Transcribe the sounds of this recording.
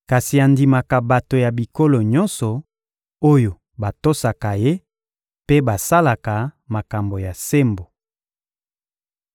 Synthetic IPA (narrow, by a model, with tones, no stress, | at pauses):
ka˨si˨a˨ndi˨ma˨ka˨ba˨to˨ja˨bi˨ko˦lo˨ɲɔ˦nsɔ˨ | o˦jo˨ | ba˨to˦sa˨ka˨je˦ | pe˦ba˨sa˦la˨ka˨ma˨ka˨mbo˨ja˨se˦mbo˨